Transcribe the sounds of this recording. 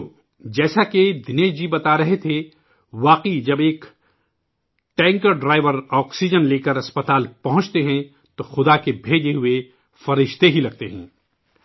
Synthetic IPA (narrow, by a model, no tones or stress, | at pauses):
d͡ʒɛːsaked̪ɪneːd͡ʒibɐt̪aɾɐɦet̪ʰe | ʋaːqid͡ʒɐbeːk | ʈɛ̃ːŋkəɾɖɾaːɪʋəɾɔːksid͡ʒənleːkəɾɐspɐt̪aːlpɐɦʊ̃t͡ʃt̪eɦɛ̃ | t̪oxʊd̪akebʱeːd͡ʒeɦʊe | fɐɾɪʃt̪eɦilɐɡ̚t̪eɦɛ̃ː